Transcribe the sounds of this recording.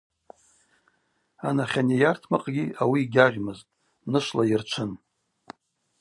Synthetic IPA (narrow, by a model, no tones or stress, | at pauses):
anaχʲanejartʰmaqʼɡʲiawiːɡʲaʁʲmɨztʼ | nɨʃʷlairt͡ʃʷʰɨn